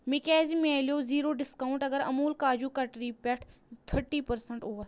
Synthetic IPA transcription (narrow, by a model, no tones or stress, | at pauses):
mɪkɛːzimẽalijoziːɾoːɖɪskaːʊ̃ɳʈɐɡəɾɐ̰muːlkaːd͡ʑukɐʈɾiːpɛʈʰt̪ʰəɾʈiːpɐɾsəɳʈuə